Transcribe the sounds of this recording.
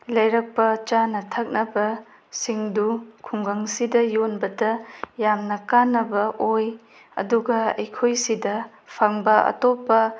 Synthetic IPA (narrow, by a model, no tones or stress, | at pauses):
lɐjɾɐk̚pɐt͡ʃanɐtʰɐk̚nɐbɐ | siŋdukʰuŋɡɐŋsidɐjonbɐdɐjamnɐkanːɐbɐʔoj | ɐ̰duɡɐɐ̰jkʰojsidɐ | pʰaŋbɐɐ̰topːɐ